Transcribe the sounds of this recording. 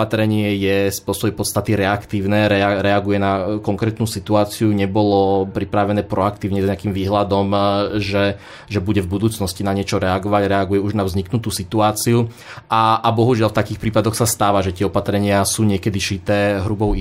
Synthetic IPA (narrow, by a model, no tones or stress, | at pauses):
at̪ɾɛɲɪɛjɛspɔsɔbɛpɔt̪st̪at̪iɾɛakt̪iːʊnɛːɾɛaɾɛaɡujɛnakɔŋkɾɛːt̪nuːsit̪uaːt͡siuɲɛbɔlɔpɾipɾaʋɛnɛːpɾɔakt̪iːʊɲɛzɲɛakiːmʋiːɦlad̪ɔmʒɛ | ʒɛbuɟɛvbud̪uːt͡snɔscinaɲɪɛt͡ʃɔɾɛaɡɔʋaɟɾɛaɡujɛuʒnavzɲiknut̪uːsit̪uaːt͡siu | aːbɔɦuʒɪalft̪akiːxpɾiːpad̪ɔxsast̪aːʋaʒɛc̪ɪɛɔpat̪ɾɛɲɪasuːɲɪɛkɛd̪iʃit̪ɛːɦɾubɔʊ